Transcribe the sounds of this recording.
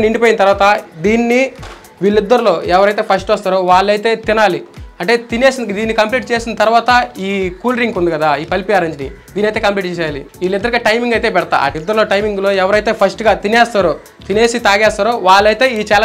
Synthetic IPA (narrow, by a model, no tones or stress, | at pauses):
niɳɖipoːjinɐt̪ɐɾʋaːt̪ɐd̪iːnːi | ʋiːɭːid̪ːɐɾulo̞ːɛʋɐɾɐjt̪̬e̞ːpʰɐsʈɐst̪aːɾoːʋaːɭːɐjt̪e̞ːt̪inaːliɐɳʈe̞ːt̪ine̞ːsind̪iːnːikɐmpliːʈ̚t͡ʃe̞ːsinɐt̪ɐɾuʋaːt̪ɐiːkuːlɾiŋkund̪ikɐd̪aːiːpɐlipijaːɾɐɲd͡ʒnḭd̪iːniɐjt̪eːkɐmpliːʈ̚t͡ʃeːsjaːlḭʋiːlːid̪ːɐɾuɡaːʈɐjmiŋɡɐjt̪e̞ːpɛɽt̪a̰ɐ̰id̪ːɐɾlo̞ːʈɐjmiŋɡlo̞ːɛʋɐɾɐjt̪e̞ːpʰɐsʈɡaːt̪inɛːst̪aːɾoː | t̪ineːsit̪aːɡɛːst̪aːɾoːʋaːɭːɐjt̪e̞ːiːt͡ʃaːl